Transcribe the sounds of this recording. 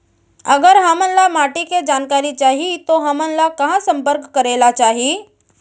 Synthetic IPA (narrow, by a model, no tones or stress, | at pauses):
əɡəɾɦəmənlamaːʈiked͡ʒaːnkaːɾit͡ʃaːɦit̪oɦɐmənlakɐɦãsə̃mpəɾkkəɾeːlat͡ʃaːɦii